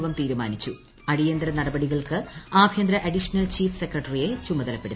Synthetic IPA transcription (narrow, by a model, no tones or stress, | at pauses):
ʋɐmt̪iːɾuma̰ːnit͡ɕːu | ɐɽijɐnd̪ɾɐnɐɽɐbɐɽiɣɐɭkɨaːbʱjɐnd̪ɾɐʔɐɖiʂɐnɐlt͡ɕiːfsekrɐʈːɐrije̞t͡ɕumɐðɐlɐpːe̞ɽut̪ː